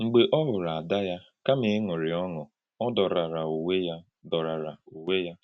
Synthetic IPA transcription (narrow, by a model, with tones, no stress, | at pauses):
ŋ͡m̩˨ɡ͡be˨ʔɔ˦ɦʊ˨ɾa˨a˨da˦ja˦ | ka˦mɪ˨˦ŋʊ˨ɾɪ˨ɔ˦ŋʊ˨ | ɔ˦dɔ˨ɾa˨ɾa˨u˨we˦ja˦ | dɔ˨ɾa˨ɾa˨u˨we˦ja˦